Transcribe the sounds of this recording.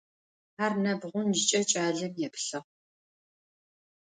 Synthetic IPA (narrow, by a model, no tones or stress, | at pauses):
arnɐbʁʷʊnʒɪt͡ʃʼɐt͡ʃʼaːɮɐmjɛpɬɐʁ